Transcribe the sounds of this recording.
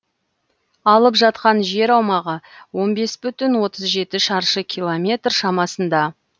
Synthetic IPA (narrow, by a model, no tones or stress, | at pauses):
ɑlˠəpʒɑt̪qɑnʒe̞ɾɑwmɑʁəwo̞nbe̞sbʏt̪ɪnwo̞t̪əzʒe̞t̪ɪʃɑɾʃəkʲʰijlˠomʲe̞t̪rʃɑmɑsənd̪ɑ